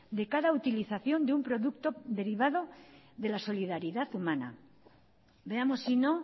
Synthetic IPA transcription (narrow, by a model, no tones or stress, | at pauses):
d̪e̞kaðaut̪iliθaθjo̞nd̪eumpɾo̞ðukt̪o̞ðe̞ɾiβ̞aðo̞ðe̞laso̞liðaɾiðaθumana̰ | be̞amo̞sːino̞